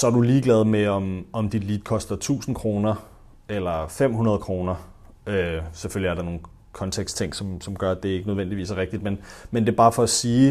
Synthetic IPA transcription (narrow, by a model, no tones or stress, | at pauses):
sɒ̽æɐd̥uliːɡ̥lɛð̞ˠmeɒ̽mɒ̽md̥id̥liːd̥kʰɒ̽sd̥ɐt͡sʰṵːsn̩kʰʁo̝ːnɐ | elɐfem̰hunɐð̞̩ˠkʰʁo̝ːnɐ | øseføljiæɐɾ̥ɑ̈no̝ːn̩ | kʰɒ̽nt͡sʰeɡ̥st͡sʰeŋ̰ɡ̥sɒ̽msɒ̽mɡ̥ɶɐd̥e̝e̝ɡ̥ənøð̞ˠʋen̰d̥iʋḭːsæʁeɡ̥̚d̥id̥menmend̥e̝b̥ɑ̈ːfɒ̽æsiː